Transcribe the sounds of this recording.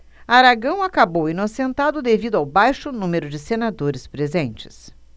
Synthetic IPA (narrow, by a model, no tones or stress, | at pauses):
aɾaɡɐ̃w̃akabowinosẽnt̪ad̪ʊd̪evid̪ʊawbajʃʊnũmeɾʊd͡ʒɪsenad̪oɾɪspɾezẽnt͡ʃɪ̥s